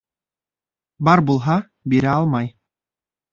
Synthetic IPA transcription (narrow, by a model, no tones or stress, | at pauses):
bɑɾbulˠɦɑ | biɾʲæɑlˠmɑj